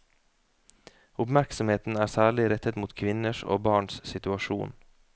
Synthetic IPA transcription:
ʊpmæɾksɔmheːt̪n̩æːɾsæːɭɪɾɛt̪ət̪muːt̪kʰʋɪnəʃo̰ːbɑːɳssɪt̪ʉɑʃuːn

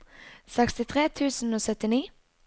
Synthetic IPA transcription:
sɛkst̪ɪt̪ʰʁeːt̪ʰʉːsn̩oːsœt̪ɪniː

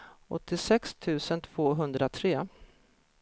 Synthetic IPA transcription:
ɔ̰t̪ʰːɪsɛkst̪ʰʉ̟ːsənt̪ʰv̥oːɦɵnd̪ɾat̪ʰɾeː

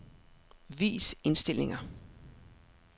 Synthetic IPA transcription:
ʋḭːse̝nsd̥el̰e̝ŋɐ

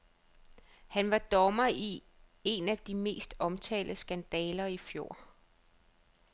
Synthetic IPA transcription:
hænʋɑ̈d̥ɒmɐi | e̝næd̥ime̝̰ːsd̥ɒ̽mt͡sʰɛ̰ːldəsɡ̥ænd̥ɛːlɐifjo̝ɐ̰

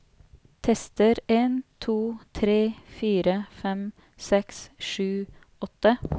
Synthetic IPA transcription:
t̪ʰɛst̪əɾeːnt̪ʰuːt̪ʰɾeːfiːɾəfɛm | sɛksʂʉː | ɔt̪ə

